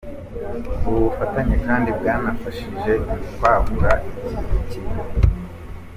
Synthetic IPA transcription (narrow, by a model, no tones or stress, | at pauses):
uβufataɲekaːndibɡaːnafaʃiʒe̞βaβuɾaʔiciiciβa